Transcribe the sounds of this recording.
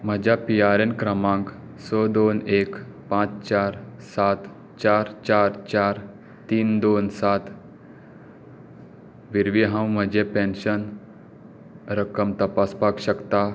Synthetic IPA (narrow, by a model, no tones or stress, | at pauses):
m̤əd͡ʑʱjapiaɾenkɾəmãŋk | sɔd̪onekpãt͡st͡ɕaɾsat̪ | t͡ɕaɾt͡ɕaɾt͡ɕaɾ | t̪iːnd̪onsat̪ | ʋiɾʋiɦãwm̤əd͡ʑepẽnɕən | ɾəkəmt̪əpaspakɕəkt̪a